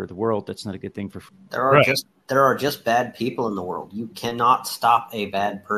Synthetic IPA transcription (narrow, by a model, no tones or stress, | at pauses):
ə˞ðəwɜ˞lˠd̪̚ðætsnəɾɨɡʊd̪̚θɪ̃ŋfə˞f | ðə̰˞ːd͡ʒʌs | ðə˞ːd͡ʒʌsb̥æd̚pʰipl̩ˠə̃nðəwɜ̰˞lˠdjɨkʰænɑtstɑpɨbæd̚pʰɜ